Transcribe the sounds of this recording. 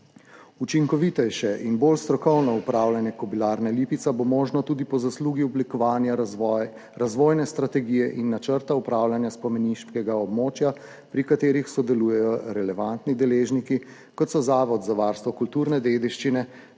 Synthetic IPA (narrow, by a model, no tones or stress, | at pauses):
ut͡ʃiŋkɔʋit̪ɛjʃɛʔinbolst̪ɾɔkɔwnɔupɾaːwlʲjanjɛkɔbilaːɾnalipit̪sabomoːʒnɔt̪ud̪ipɔzasluːɡiɔblikɔʋaːnja | ɾazʋoːjnɛst̪ɾat̪ɛɡijɛʔinːat͡ʃəɾt̪aupɾawlanjaspɔmɛniʃkɛɡaɔbmoːt͡ʃja | pɾikat̪eːɾixsɔd̪ɛluːjɛjɔɾɛlɛʋant̪nid̪ɛleːʒniki | kɔt̪sɔzaːʋɔd̪zaʋaɾst̪ʋɔkult̪uɾnɛd̪ed̪iʃt͡ʃinɛ